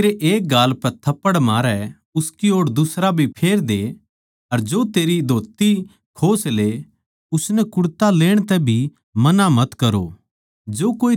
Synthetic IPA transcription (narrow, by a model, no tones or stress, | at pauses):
ɾeʔeːk̚ɡaːlpɛt̪ʰɐpːəɽmaːɾɛ | ʊskioːɽd̪ʊsɾabʱipʰeːɾd̪e | ɐɾd͡ʒoːt̪eːɾid̪ʱoːt̪i | kʰoːsle | ʊsnɛkʊɽt̪aleːɽ̃t̪ɛbʱi | mɐnamɐt̪kɐɾo̰ | d͡ʒoːkoːi